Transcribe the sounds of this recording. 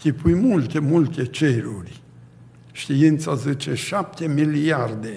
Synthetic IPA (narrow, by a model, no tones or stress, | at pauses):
kʲipujmult̪emult̪et͡ʃeɾurʲ | ʃt̪iint̪sazet͡ʃeʃap̚t̪emiliard̪e